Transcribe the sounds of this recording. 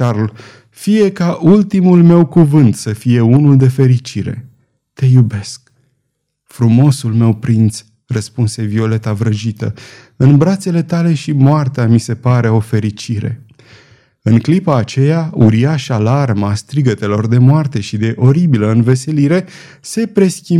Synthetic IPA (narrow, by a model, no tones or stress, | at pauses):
t͡ʃarl | fije̞kaʔult̪imulme̞wkuvɨnt̪səfije̞unuld̪e̞fe̞ɾit͡ʃiɾe̞̰ | t̪e̞jube̞sk̚ | fɾumo̞sulme̞wpɾint̪s | rəspunse̞vio̞le̞t̪avɾəʒit̪ə̰ | ɨnbɾat̪se̞le̞t̪ale̞ʃimoart̪eamise̞paɾe̞o̞fe̞ɾit͡ʃiɾe̞̰ | ɨŋklipaːt͡ʃe̞jauɾiaʃalarmast̪ɾiɡət̪e̞lo̞rd̪e̞moart̪e̞ʃid̪e̞ʔo̞ɾibiləɨnve̞se̞liɾe̞ | se̞pɾe̞skʲi